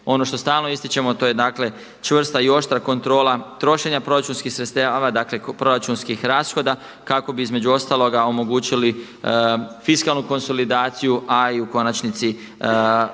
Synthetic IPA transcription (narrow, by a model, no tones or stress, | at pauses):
o̞no̞ʃt̪o̞st̪aːlˠnoist̪it͡ʃe̞mot̪o̞je̞d̪aːkle̞ | t͡ʃʋr̩st̪aio̞ʃt̪ɾako̞nt̪ɾo̞ːlat̪ɾo̞ʃe̞ɲapɾo̞ɾat͡ʃuːnskixsɾet̪st̪aːaʋad̪aːkle̞pɾo̞ɾat͡ʃunskixɾaːsxo̞d̪a | kako̞biizme̞d͡ʑuo̞st̪aːlˠo̞ɡao̞mo̞ɡuːt͡ɕili | fiskalˠnuko̞nso̞lid̪aːt̪sijuʔaiuko̞nat͡ʃnit̪si